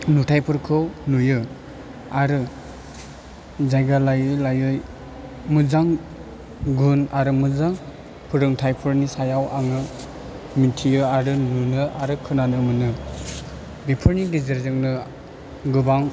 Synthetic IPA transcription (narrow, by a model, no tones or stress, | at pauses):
nutʰajpʰɯɾkʰɯwnujɯ | aɾɯ | zajɡalajɯlajɯj | mɯzaŋ | ɡunaɾɯmɯzaŋ | pʰɯɾɯŋtʰajpʰɯɾnisajawʔaŋɯ | mitʰijɯaɾɯnunɯaɾɯkʰɯnanɯmɯnɯ | bipʰɯɾniɡizeɾzɯŋnɯ | ɡɯbaŋ